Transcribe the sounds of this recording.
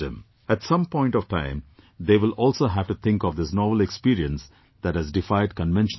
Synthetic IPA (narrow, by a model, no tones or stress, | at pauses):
ə̰̃m | æʈsʌ̃mpɔ̃ɪ̃nʈɔʋʈã̰ɪ̃md̪eːʋɪlɔːlsoːɦæʋʈut̪ʰɪ̃ŋkɔʋd̪ɪsnɔːʋəlekspiːɾiə̃ns | d̪̥æʈ̚hæzɖɪfaɪɖ̚kə̃nʋɛ̃nʃ